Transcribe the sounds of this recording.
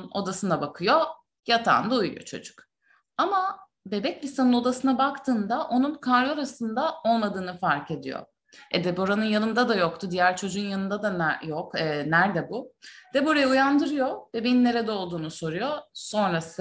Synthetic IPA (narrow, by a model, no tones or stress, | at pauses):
o̞̰d̪asɯnd̪abakʰɯjo̞ | jat̪ʰa̰nd̪ujujo̰t͡ʃʰo̞̰d͡ʒu̥k | ama | be̞bɛclʲisanɯno̞d̪asɯnabakt̪ʰɯːnd̪aʔo̞nunkʰaɾjo̞ɾasɯnd̪ao̞lˠmad̪ɯːnɯfaɾce̞d̪ijo̰ | ɛd̪ebo̞ɾanɯnjanɯnd̪ad̪ajokt̪ʰud̪ijæɾt͡ʃʰo̞d͡ʒuːunjanɯnd̪ad̪anjokɛːnæɾd̪ɛbud̪̥ebo̞ɾajaujand̪ɯɾɯjo̞vɛbejinːe̞ɾɛd̪ɛo̞lˠd̪uːnuso̞ɾujo̞so̞nɾasɯ